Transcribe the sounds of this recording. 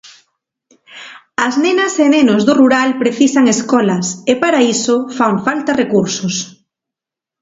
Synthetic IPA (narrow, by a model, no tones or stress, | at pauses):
ɐznenɐsenenozðoruɾalpɾeθisaŋeskɔlɐsepaɾaisofaɱfalt̪ɐrekuɾsos